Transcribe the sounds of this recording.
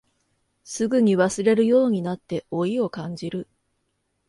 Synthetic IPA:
sɨɡɯ̟ɲ̟iβasɨɾe̞ɾɯ̟jo̞ːɲ̟inat̪ːe̞o̞io̞kãɲ̟d͡ʑiɾɯ̟

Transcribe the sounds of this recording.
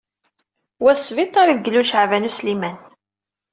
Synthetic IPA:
wæθsvit̪ˤːɑɾiðəɡəlːulʃəʕvænuslimæn

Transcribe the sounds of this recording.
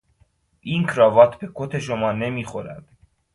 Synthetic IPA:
ʔiːnkʰɾɒːvɒːt̪ʰbe̞kʰot̪ʰe̞ʃomɒːne̞miːxoɾæ̰d̪̥

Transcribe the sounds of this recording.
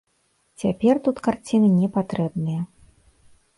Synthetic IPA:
t͡sʲapʲɛrt̪ut̪kart͡sʲinɨnʲɛpat̪ɾɛbnɨjɐ

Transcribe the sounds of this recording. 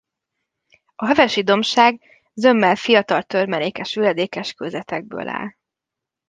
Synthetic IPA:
ɒɦɛvɛʃid̪o̞mʃaːɡ | zø̞mːɛlfijɒt̪ɒlt̪ø̞rmɛleːkɛʃylɛd̪eːkɛʃkøzɛt̪ɛɡ̚bø̰ːlʔa̰ːl

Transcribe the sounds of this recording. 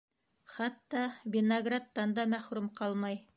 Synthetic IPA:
χɑt̪ːɑbʲɪnɐɡrat̪ːɑnd̪ɑmæχɾumqɑlˠmɑj

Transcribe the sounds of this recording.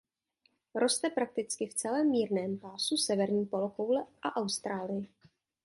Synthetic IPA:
ɾo̞st̪ɛpɾak̚t̪ɪt͡skɪft͡sɛlɛːmːiːɾnɛːmpaːsusɛvɛɾɲiːpo̞lokowlɛʔaʔawst̪ɾaːlɪjɪ

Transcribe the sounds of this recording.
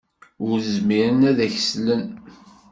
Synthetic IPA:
ʊɾzmiɾənæðæçəslən

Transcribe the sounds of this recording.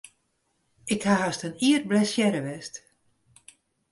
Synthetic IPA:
ɪkhaɦastəniːər̚blɛsjɛɾəʋɛst

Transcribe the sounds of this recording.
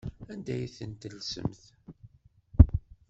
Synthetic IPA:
ænd̪æjθənt̪əlsə̰mθ

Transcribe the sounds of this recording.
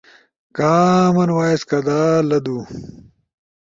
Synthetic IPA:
kaːmɐnwaːeskɐd̪aːlɐd̪uː

